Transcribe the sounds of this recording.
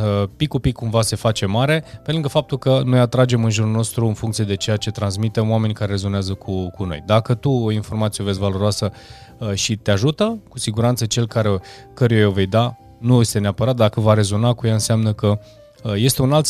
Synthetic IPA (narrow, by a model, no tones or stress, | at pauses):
əpikːupikʰːumvase̞fat͡ʃe̞maɾe̞pe̞lɨŋɡəfap̚t̪ulkəno̞jat̪ɾad͡ʒe̞mɨnʒuɾulno̞st̪ɾuɨnfuŋkt̪sije̞d̪e̞t͡ʃe̞jat͡ʃe̞t̪ɾans̬mit̪emwame̞nʲkaɾe̞re̞zo̞neazəkʰukuno̞̰jd̪akət̪uoinfo̞rmat̪sije̞vesvalo̞ɾoasə | ʃit̪eaʒut̪əkusiɡuɾant̪sət͡ʃe̞lkaɾe | kəɾujaove̞jd̪a | nujje̞st̪eeapəɾat̪̚d̪akəvaɾe̞zo̞nakujaɨnseamnəkə | je̞st̪e̞unalt̪